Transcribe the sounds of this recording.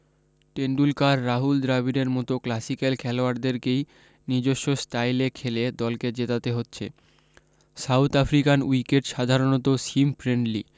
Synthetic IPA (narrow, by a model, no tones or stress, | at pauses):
ʈeɳɖulkaɾːaɦuld̪ɾabiɾeɾmɔt̪oklasikalkʰɛloaɾd̪eɾkej | nid͡ʑoʃːosʈajlekʰeled̪ɔlked͡ʑet̪at̪eɦotːɕʰḛ | sawt̪afɾikanwikeʈʃad̪ʱaɾonot̪osimfɾeɳɖli